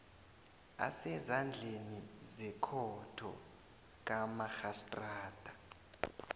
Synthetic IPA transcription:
a̰sɛzand͡ɮʱenizɛkʰɔtʰɔ̰ | k̬ʼamaxastʼraːd̥ʱa

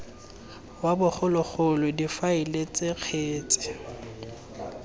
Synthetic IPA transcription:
wabʊχʰʊlʊk͡xʊlʊdifaɪlet͡sʼeq͡χʰeːt͡sʼɪ̥

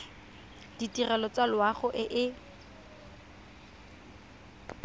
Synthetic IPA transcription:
d̥itʼirɛlɔt͡salwaχʊʔɪʔɪ

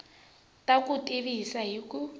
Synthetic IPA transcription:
tʼakutʼiβisaɦiku

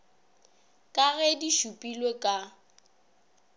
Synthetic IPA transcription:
kʼaɣɛdiʃupʼilwekʼa

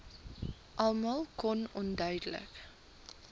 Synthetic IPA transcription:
ʔɐlˠmɑlˠkɔnɔndœɥdələ̰k

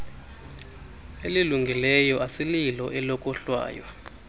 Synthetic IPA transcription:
eliluŋɡʱilɛjɔʔasililɔʔɛlɔkʼɔɬwa̰ːjwa

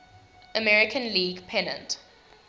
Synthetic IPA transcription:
ʔəmɛɹɪkʰə̃nliːɡpʰɛnə̰̃nt

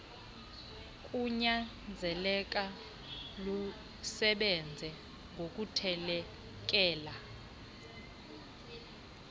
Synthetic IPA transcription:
kʼuɲand͡zʱɛlɛk̬ʼa | lu | sɛɓɛnd͡zʱɛ | ŋɡʱok̬ʼutʰɛlɛ | k̬ʼɛːla

